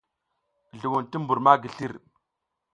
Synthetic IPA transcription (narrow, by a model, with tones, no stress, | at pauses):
ɮu˨wu˨nti˦mbu˨ɾma˦ɡi˨ɬi˦ɾ